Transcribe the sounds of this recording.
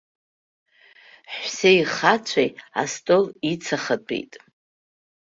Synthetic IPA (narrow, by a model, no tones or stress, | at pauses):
ħsejχat͡ɕʷʰaja̰stʼolit͡sʰaχatʰʼḛjtʼ